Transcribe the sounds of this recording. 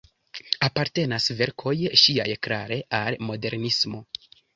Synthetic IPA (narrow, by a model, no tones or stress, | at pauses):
apaɾte̞nasve̞ɾkʰo̞jʃiajklaɾe̞ʔalmo̞de̞ɾnismo̞